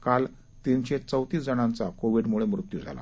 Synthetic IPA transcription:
kal | t̪inɕet͡səwt̪iːsd͡zənãnt͡sakoʋiɽmuɭemɾut̪jud͡zʱa̰la̰

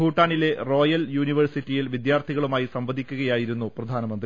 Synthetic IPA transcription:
uːʈːaːɳile̞ro̞ːjɐljuːniʋɐrsitːijilʋid̪jaːrt̪ʰiɣɐɭumaːjisɐmbɐd̪ʱikʲːuɣɐjaːjiɾunːuprɐd̪ʱaːnɐmɐnd̪ri

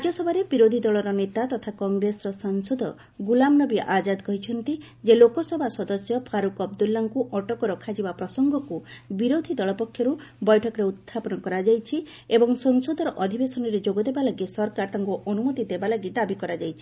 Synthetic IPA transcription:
ɾad͡ʒjɔsɔbʱaɾebiɾod̪ʱid̪ɔɭɔɾɔnet̪at̪ɔt̪ʰakɔŋɡɾesɔɾɔsɔŋsɔd̪ɔ | ɡulamnɔbiʔad͡ʒad̪kɔɦit͡ʃʰɔnt̪i | d͡ʒelokɔsɔbʱasɔd̪ɔsjɔpʰaɾukɔb̚d̪ulːaŋkuʔɔʈɔkɔɾɔkʰad͡ʒibapɾɔsɔŋɡɔkubiɾod̪ʱid̪ɔɭɔpɔkʰːjɔɾubɔjʈʰɔkɔɾeut̪ʰːapɔnɔkɔɾad͡ʒajt͡ʃʰi | ebɔŋsɔŋsɔd̪ʱɔɾɔʔɔd̪ʱibesɔnɔɾed͡ʒoɡɔd̪ebalaɡisɔɾkaɾt̪ʰaŋkuʔɔnumɔt̪id̪ebalaɡid̪abikɔɾad͡ʒajt͡ʃʰi̥

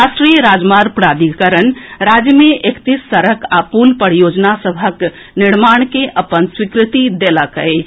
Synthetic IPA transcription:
asʈɾijəɾad͡ʒmaɾpɾad̪ikəɾənɾad͡ʒjəmeʔekt̪isːəɾəkapunpəɾjod͡ʒnasəbʱək | niɽmaɳ̃keʔəpənswikɾit̪id̪eləkə̰j

